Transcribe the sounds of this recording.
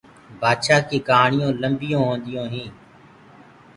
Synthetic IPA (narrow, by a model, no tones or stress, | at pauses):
baːd̪ʃaːkiːkɦaːɳɪjõːləmbɪjõːɦõːnd̪ɪjõːɦĩː